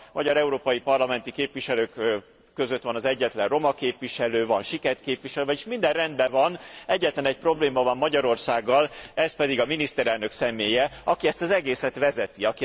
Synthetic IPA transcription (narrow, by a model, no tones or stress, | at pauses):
mɒɟɒɾɛuɾoːpɒjipɒrlɒmɛnt̪ikeːpʋiʃɛløːkː | øzøt̪ʋɒnɒzɛɟːɛt̪lɛrro̞mɒkeːpʋiʃɛløːvɒnʃikɛrt̪keːpʋiʃɛløːvɛɟeʃmind̪ɛrrɛnd̪bɛvɒnɛɟːɛt̪lɛnɛc̚pro̞bleːmɒvɒmːɒɟɒɾo̞rsaːɡːɒlɛspɛd̪iɡɒminist̪ɛɾɛlnø̞ksɛmeːjɛɒkiɛst̪ɒzɛɡeːsɛt̪ʋɛzɛt̪iɒki